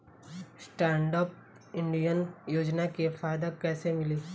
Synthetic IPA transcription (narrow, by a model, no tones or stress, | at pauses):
sʈɛːɳɖaːp̚ | ɪ̃ɳɖijənjoːd͡ʒnakefaːɪd̪akɛːsemɪli